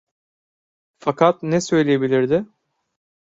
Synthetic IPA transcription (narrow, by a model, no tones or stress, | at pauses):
fakʰat̪nɛsø̞jlʲijebilʲiɾd̪ɪ